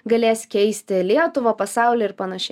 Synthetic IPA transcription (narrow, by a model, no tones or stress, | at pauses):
ɡɐlʲeːsʲkʲɛɪsʲt̪ʲɪlʲiɛt̪ʊʋɐːpɐsɑˑʊlʲeːɪɾpɐnɐʃʲɛ